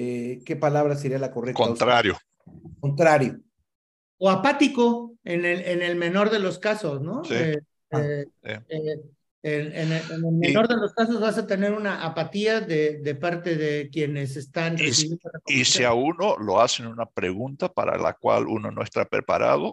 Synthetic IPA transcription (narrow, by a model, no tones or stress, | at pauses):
eke̞palaβɾaseɾialakorekot̪ɾaɾjo | kont̪ɾaɾjo | oapat̪iko̞enelene̞lme̞no̞ɾðe̞lo̞skaso̞sno̞siest̪esie | eneneenelmeno̞ɾðelo̞skaso̞zβasat̪e̞ne̞ɾunaʔapat̪iaðeðe̞paɾt̪e̞ðe̞kje̞ne̞se̞st̪anrreiβjend̪olakoiseaunolo̞asenunapɾeɣunt̪apaɾa̰la̰kwa̰lṵno̞̰noest̪a̰pɾḛpaɾa̰ðo